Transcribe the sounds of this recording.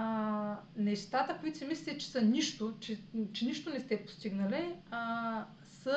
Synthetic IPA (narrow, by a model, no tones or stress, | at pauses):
nɛst̪at̪əkoit̪sʲɛmislʲɛt̪ɛt͡ʃɛ̥səniʃt̪ot͡ʃɛt͡ʃɛniʃt̪onɛst̪ɛpo̥st̪iɡnəlɛ | sə